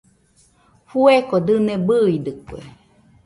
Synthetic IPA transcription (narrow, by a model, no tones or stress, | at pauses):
fuekod̪ɨnebɨid̪ɨkwḛ